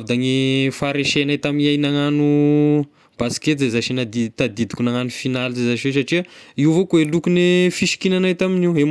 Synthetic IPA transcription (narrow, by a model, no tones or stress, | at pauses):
vd̪aŋefaɾeʃeanajt̪aminiajnaŋanu | b̥asi̥ket̪zezaʃinad̪it̪ad̪id̪i̥kʲunaŋanufinalizezaʃves̬aʈ͡ʂiəiwvokuelukinefiʃi̥kinanajt̪aminiwem